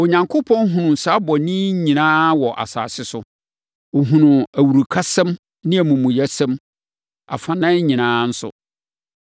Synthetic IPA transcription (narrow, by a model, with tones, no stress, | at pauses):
o˨ɲã˨ŋkʰʊ˦pʰɔ̃˦n˦ɦʊ̃˨nʊ̃˨n̩˨saː˨˦bɔ˨nĩ˦ɲĩ˨nãː˦wɔ˨ʔa̰˨sa̰ː˨sɪ˦sʊ˦ | o˨ɦũ˨nʊ̃˨æ˨wu˨ɾu˨kʰa˦sɛ̃˦m | nɪ̃˦æ˨mũ˨mũ˨jæ˦sɛ̃˦m | a̰˨fã˨nã˦ɲĩ˨nãː˦n̩˦sʊ̰˦